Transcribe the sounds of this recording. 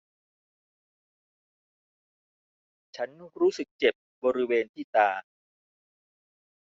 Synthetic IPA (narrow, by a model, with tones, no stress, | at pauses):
t͡ɕʰa˦˥nːu˥˩kɾuː˦˥sɯ˨˩k̚t͡ɕe˨˩p̚bɔː˧ɾi˦˥weː˧nt̪ʰiː˥˩t̪aː˧